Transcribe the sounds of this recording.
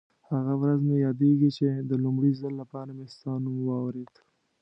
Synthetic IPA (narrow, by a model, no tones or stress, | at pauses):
haɣawɾazmejɑd̪eɡit͡ʃed̪əlʊmɽizalːapɑɾamest̪ɑnumwɑwɾed̪